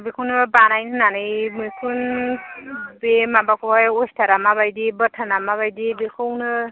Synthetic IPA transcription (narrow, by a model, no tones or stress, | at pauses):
bikʰuwnɯbanajnɯnanɯjmɯjkʰun | bemabakʰɔjostʰaɾamaβajdibətʰanamaβajdibikʰɯwnɯ